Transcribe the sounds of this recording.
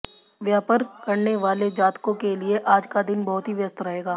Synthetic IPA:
ʋjaːpəɾkɐɾneʋaːled͡ʒaːt̪kõkelieʔaːd͡ʒkad̪ɪnbɐɦʊt̪ɦiʋjɐst̪ɾɐɦeːɡaː

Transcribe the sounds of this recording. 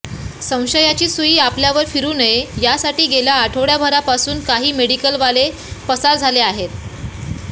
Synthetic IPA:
sə̃w̃ɕəjat͡ɕiːsuiːapljaʋəɾfiɾuːnəjejasaʈiːɡelaːʈʰoʋɽjabʱəɾapasuːnkaɦiːmeɽikəlʋale | pəsaɾd͡zʱaleaɦet̪

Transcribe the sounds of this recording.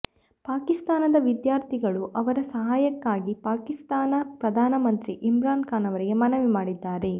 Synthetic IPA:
paːkist̪aːnɐd̪ɐʋid̪jaːɾt̪ʰiɡɐɭuʔɐʋɐɾɐsɐɦaːjɐkːaːɡipaːkist̪aːnɐpɾɐd̪ʱaːnɐmɐnt̪ɾiʔimɾaːnkaːnɐʋɐɾiɡe̞mɐnɐʋimaːɽid̪ːaːɾe̞

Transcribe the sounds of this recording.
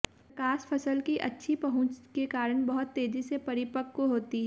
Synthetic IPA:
kaːspʰɐsəlkiʔɐ̰tːʃʰipɐɦʊ̃t͡ʃkekaːɾəɽ̃bɐɦʊt̪ːeːd͡ʒisepɐɾɪpəkːoɦoːt̪iɦɛː

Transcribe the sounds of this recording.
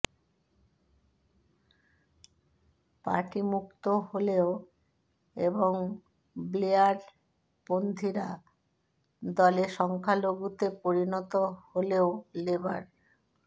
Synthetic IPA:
pa̰ʈimukt̪oɦoleo | eboŋ | bleaɾ | pond̪ʱiɾa | d̪ɔleʃɔŋkʰaloɡut̪epoɾinɔt̪oholeoleba̰ɾ

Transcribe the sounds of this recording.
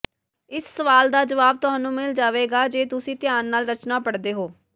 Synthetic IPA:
ɪssəʋaːld̪aːd͡ʒəʋaːb̚t̪ʊɦaːnũːmɪld͡ʒaːʋeːɡaːd͡ʒeːt̪ʊsĩːt̪ɪjaːnːaːlɾət͡ʃnaːpəɽd̪eːɦoː

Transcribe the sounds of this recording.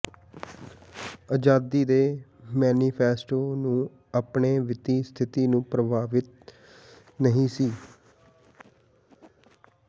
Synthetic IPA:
əd͡ʒaːd̪iːd̪eːmɛːniːpʰɛːsʈoːnũː | apɳeːʋɪt̪iːst̪ʰɪt̪iːnũːpɾəbʱaːʋɪt̪̚ | nəɦĩːsiː

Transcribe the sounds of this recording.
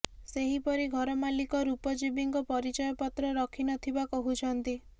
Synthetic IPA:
seɦipɔɾiɡʱɔɾɔmalikɔɾupɔd͡ʒibiŋkɔpɔɾit͡ʃɔjɔpɔt̪ɾɔɾɔkʰinɔt̪ʰibakɔɦut͡ʃʰɔnt̪i

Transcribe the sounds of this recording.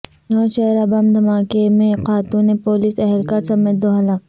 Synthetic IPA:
nɔːʃɐɾɐbɐmd̪ʱɐmaːkemẽqaːt̪uːnepoːlisɛɦɛlkɐɾsɐmeːt̪̚d̪oːɦɐlaːk

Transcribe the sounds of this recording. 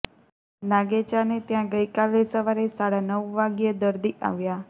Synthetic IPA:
naɡet͡ʃanet̪jãɡəjkalesəʋaɾesaɽanəʋːaɡjed̪əɾd̪iʔa̰ʋja

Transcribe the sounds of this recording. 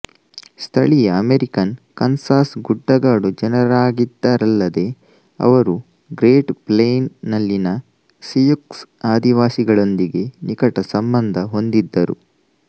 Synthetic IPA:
st̪ʰɐɭijɐːmeɾikɐnkɐnsaːsɡuɖːɐɡaːɽud͡ʒɛnɐɾaːɡid̪ːaɾɐlːɐd̪e̞ | ɐ̰ʋɐɾu | ɡɾeːʈpleːjnːɐlːinɐ | sijuksaːd̪iʋaːsiɡɐɭo̞nd̪iɡe̞nikɐʈɐsɐmbɐnd̪ʱɐɦo̞nd̪id̪ːɐɾṵ

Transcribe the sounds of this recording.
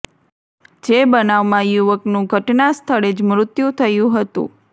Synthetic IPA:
d͡ʒebənaʋmãjuʋəknũɡʱəʈnast̪ʰəɭed͡ʒmɾʊt̪jũt̪ʰəjũɦət̪ṵ̃

